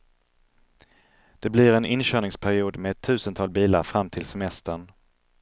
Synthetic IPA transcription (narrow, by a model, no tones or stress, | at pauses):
d̪̥ɛblɪɾɛnɪnɕœːɳɪŋspʰæɾɪuːd̪meɛt̪ʰːʉ̟ːsənt̪ʰɑːlbiːla̰ɾfɾamːt̪ʰɪlsɛmɛst̪əɳ